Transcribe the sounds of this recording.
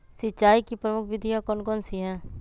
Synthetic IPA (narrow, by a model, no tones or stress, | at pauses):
sɪt͡ʃaːikipɾəmʊkʰʋɪd̪ʱijakɔnɡɔnsiɦɛ̃ː